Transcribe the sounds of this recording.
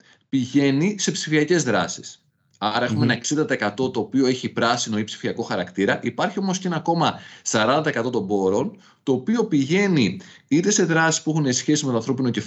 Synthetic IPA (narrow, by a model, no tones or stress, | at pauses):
piʝe̞nise̞psifiɐce̞zðɾɐ̰si̥s | ɐɾɐe̞xumeenɐe̞ksind̪ɐt̪ɐekɐt̪o̞t̪o̞ːpio̞eçipɾɐsino̞ipsi̥fiɐko̞xɐɾɐkt̪iɾɐʔipɐɾçio̞mo̞sceenɐko̞mɐsɐɾɐnd̪ɐt̪ɐekɐt̪o̞t̪o̞mbo̞ɾo̞n | t̪o̞ːpio̞piʝe̞ni | it̪e̞se̞ðɾɐsi̥spuexunesçe̞sizme̞t̪oɐnθɾo̞pino̞cef